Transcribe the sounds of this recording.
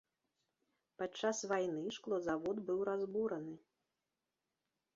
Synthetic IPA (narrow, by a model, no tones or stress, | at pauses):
pat͡ʂːasvajnɨʂklˠɔzavɔd̪bɨwɾazbuɾɐnɨ